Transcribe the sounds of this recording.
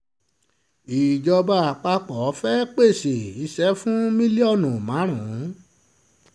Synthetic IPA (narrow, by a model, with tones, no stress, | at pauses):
i˨d͡ʒɔ˧ba˧a˨k͡pa˧k͡pɔ˨˦fɛ˦k͡pe˦˨se˨i˧ʃɛ˦fũ˦mĩ˦li˦ɔ˦˨nũ˨mã˨˦ɾ̃ã˨˦